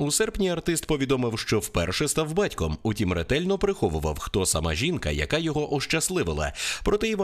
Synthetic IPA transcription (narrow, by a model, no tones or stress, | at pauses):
usɛrpnʲiɐrt̪ɪst̪pɔʋʲid̪ɔmɪwʃt͡ʃɔwpɛrʃɛst̪awbɑtʲkɔmutʲimret̪ɛlʲnɔpɾɪxɔʋʊʋɐ̰wxt̪ɔsɐma̰ʒʲinkɐjɐ̰kajɔɦɔʔɔʃt͡ʃɐslˠɪʋɪlˠɐ̰pɾɔt̪ɛiʋɔ